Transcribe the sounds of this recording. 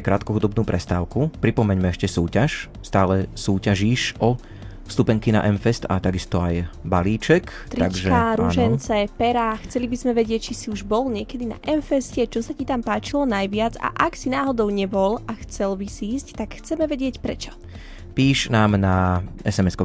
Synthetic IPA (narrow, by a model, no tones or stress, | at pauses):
kɾaːt̪kɔɦud̪ɔbnuːpɾʔɛst̪aːʊkupɾipɔmɛɲmɛɛʃcɛsuːcaʃ | st̪aːlɛsuːcaʒiːʃɔ | st̪upɛŋkina̰ʔɛnfɛst̪a̰t̪aɡist̪ɔajbaliːt͡ʃɛkt̪ɾaɡʒkɛaɾuɛnt͡sɛpɛɾaxt͡sɛlibizmɛʋɛɟɪɛc̚t͡ʃisiuʒbɔlɲɪɛkɛd̪ina̰ʔɛnfɛscɛt͡ʃɔsacit̪ampaːt͡ʃilɔnajʋɪad͡za̰ʔaksinaːɦɔd̪ɔʊɲɛbɔlaxt͡sɛlbisiːsct̪akxt͡sɛmɛʋɛɟɪɛcpɾɛ̰t͡ʃɔ̥ | piːʃnaːmnaɛsɛmɛskɔ